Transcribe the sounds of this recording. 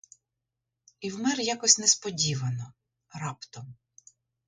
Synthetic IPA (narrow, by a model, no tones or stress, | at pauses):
iwmɛrjakɔsʲnɛspɔdʲiʋɐnɔ | ɾɑpt̪ɔm